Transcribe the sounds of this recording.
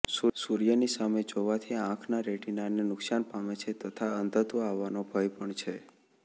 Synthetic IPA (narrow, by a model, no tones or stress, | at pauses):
susuɾijənisamed͡ʒoʋat̪ʰiãkʰnaɾeʈinanenʊksanpamet͡ʃʰet̪ət̪ʰaənd̪ət̪oaʋːanobʱəjpəɳt͡ʃʰe